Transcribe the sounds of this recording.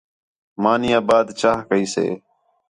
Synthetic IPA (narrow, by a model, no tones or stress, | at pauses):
maːnɪjãːbaːd̪t͡ʃaːɦkəiːsḛː